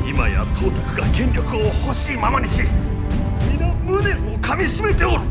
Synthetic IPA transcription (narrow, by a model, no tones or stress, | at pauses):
imaja̰t̪ʰo̞ːt̪o̥kɯ̟ɡakẽ̞nʲɾʲjokɯ̟oho̞ɕiːmamaɲʲiɕi | mʲinamɯne̞okʰamʲiɕime̞t̪e̞oɾ